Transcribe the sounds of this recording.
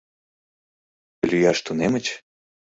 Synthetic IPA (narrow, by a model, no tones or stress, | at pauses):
lʲyjɑʃt̪unemət͡ɕ